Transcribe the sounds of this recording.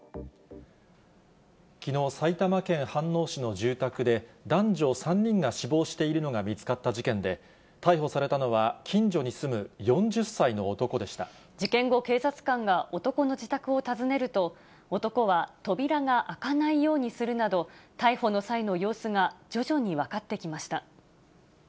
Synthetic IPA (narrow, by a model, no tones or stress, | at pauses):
kʲino̞ːsait̪amakẽ̞ɰ̃hãnːo̞ːɕino̞ʑɨːt̪akɯ̟d̪e̞d̪ãɲd͡ʑo̞ːsãɲ̟ːĩŋɡaɕibo̞ːɕi̥t̪e̞iɾɯno̞ɡamʲit͡sɨ̥kat̪ːaʑikẽ̞nd̪e̞ | t̪aiho̞saɾe̞t̪ano̞βakʲʰĩɲ̟d͡ʑo̞ɲ̟isɨmɯ̟jõ̞ɲd͡ʑɨsːaino̞ːt̪o̞ko̞d̪e̞ɕi̥t̪a | d͡ʑikẽ̞ŋɡo̞ke̞ːsat͡sɨ̥kãŋɡaʔo̞t̪o̞ko̞no̞d͡ʑit̪akɯ̟o̞t̪azɨne̞ɾɯ̟t̪o̞ː | t̪o̞ko̞βat̪o̞bʲiɾaɡaʔakanaijo̞ːɲ̟isɨɾɯ̟nad̪o̞t̪aiho̞no̞saino̞jo̞ːsɨɡad͡ʑo̞ʑo̞ɲ̟iβakat̪ːe̞kʲimaɕi̥t̪a